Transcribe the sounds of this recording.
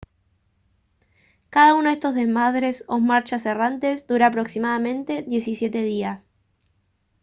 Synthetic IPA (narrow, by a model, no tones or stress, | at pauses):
kaðaunoðe̞st̪o̞zðezmaðɾe̞somaɾt͡ʃaserant̪e̞sd̪uɾaːpɾo̞ksimaðamẽ̞nt̪e̞ðje̞sisje̞t̪e̞ðias